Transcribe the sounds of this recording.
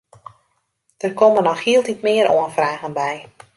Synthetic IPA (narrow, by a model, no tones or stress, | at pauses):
d̥ərkomənɔxhiəlˠtitmɪːəɾʔoənfraːɣənbɛj